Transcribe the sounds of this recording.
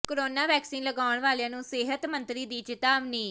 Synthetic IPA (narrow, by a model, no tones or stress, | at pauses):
koɾoːnaːʋɛːksiːnləɡaːʊɳʋaːljãːnũːsɪːɦət̪mənt̪ɾiːd̪iːt͡ʃɪt̪aːʋniː